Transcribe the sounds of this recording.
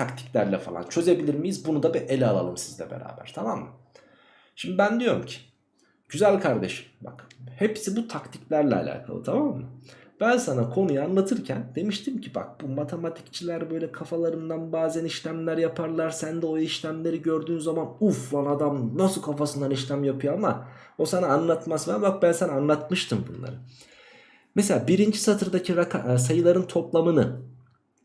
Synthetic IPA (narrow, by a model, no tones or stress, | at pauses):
t̪ʰakt̪ʰi̥clʲæɾlʲɛfalˠa̰nt͡ʃʰø̞ze̞bilʲiɾmijizbunud̪abiʔelʲɛalˠa̰lˠɯmsizlʲɛ̰bḛɾa̰ːbæ̰ɾ̥t̪ʰamamːɯ | ʃimd̪ibænd̪ijo̞ɾumcʰi̥ | ɟ̥yzælʲkʰaɾd̪e̞ʃɯ̥mba̰khepsibut̪ʰakt̪ʰi̥clʲæɾlʲɛ̰a̰lʲa̰ːkʰa̰lˠɯ̰t̪ʰamamːɯ | b̥ænsanakʰo̞nujːnlˠat̪ʰɯɾcʰænd̪e̞miʃt̪ʰimcʰiba̰k̚b̥umat̪ʰe̞mat̪ʰi̥ct͡ʃʰilʲæɾbø̞jlʲɛkʰafalˠaɾɯnd̪anbaːzæniʃlʲæmlʲæɾjapʰaɾlˠaɾsænd̪ɛoiʃlʲæmlʲe̞ɾiɟø̞ɾd̪yːnzamanufvanad̪amnasɯkʰafasɯnd̪aniʃlʲæmjapʰɯjoama | o̞sanaːnlˠat̪masvmbak̚bænsanaanlˠat̪mɯʃt̪ʰɯmbṵnlˠa̰ɾɯ | meselʲaːbiɾind͡ʒisat̪ʰɯɾd̪acʰiɾakʰas̬ajɯlˠaɾɯnt̪ʰo̞plˠamɯnɯ